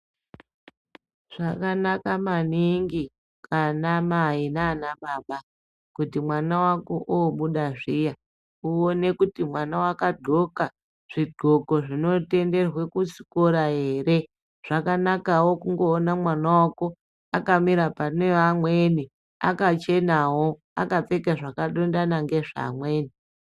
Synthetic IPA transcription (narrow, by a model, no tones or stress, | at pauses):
ʐ̥akanakamaniŋɡi | kʰanamainaːnaɓaːɓa | kutimwanawako̞ʔoɓuɗaʐija | uone̞kutimwanawakadʱo̞ka | ʐ̥iɡ͡ǃʱo̞ko̞ʐino̞te̞nde̞rwe̞kut͡si̥ko̞ɾaɦe̞ːɾe | ʐ̥akanakawo̞kuŋɡo̞ːnamwanawako̞ | akamiɾapaneamweni | a̰kat͡ʃe̞nawo̞ | a̰kap͡fe̞keʐakaɗondanaŋɡe̞ʐa̰mwe̞ːni